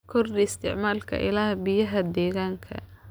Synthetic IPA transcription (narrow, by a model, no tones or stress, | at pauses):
kʰɔrd̪ɪst̪ʰɪ̰ʕmaːlkʰɐ̰ʔɪ̰laːhbɪjɐɦɐd̪ɛːɣaːŋkʰɐ̰